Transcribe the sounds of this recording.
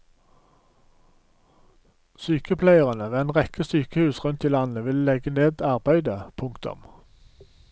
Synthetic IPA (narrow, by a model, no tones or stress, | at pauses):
syːkəpʰlæɪəʁənəʋeːæɪnʁɛkəsyːkəhʉːsʁʉnt̪iːlɑnəʋɪllɛɡəneːd̪ɑʁbæɪd̪əpʰʊŋkt̪ʊ̰m